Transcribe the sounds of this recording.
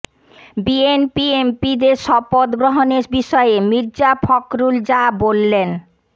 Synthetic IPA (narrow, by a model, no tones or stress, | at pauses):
bienpiempid̪eɾʃɔpod̪ɡɾoɦoneɾbiʃɔeemiɾd͡ʑapʰɔkɾuld͡ʑabolːen